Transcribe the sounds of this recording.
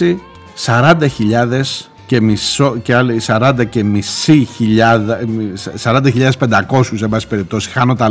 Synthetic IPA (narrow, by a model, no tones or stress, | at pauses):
i | sɐɾɐnd̪ɐçiʎɐðe̞s | ce̞misoceɐlisɐɾɐnd̪ɐce̞misiçiʎɐðɐsɐɾɐnd̪ɐçiʎɐðespend̪ɐko̞suse̞mbɐsi̥pe̞ɾip̚t̪o̞si̥xɐnot̪ɐ